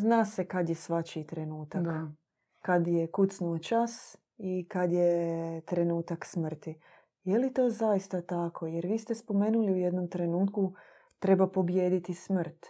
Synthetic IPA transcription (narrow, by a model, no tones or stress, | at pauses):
znaːsekad̪jesʋat͡ɕit̪ɾe̞nuːt̪akː | ad̪jekut̪snuot͡ʃas | ikad̪jet̪ɾe̞nuːt̪aksmr̩t̪i | jelit̪o̞ːzajist̪at̪akʰo̞jeɾʋiːst̪espo̞me̞ːnuliuje̞d̪no̞mt̪ɾe̞nuːt̪ku | t̪ɾe̞bapo̞bjeːd̪it̪ismr̩t̪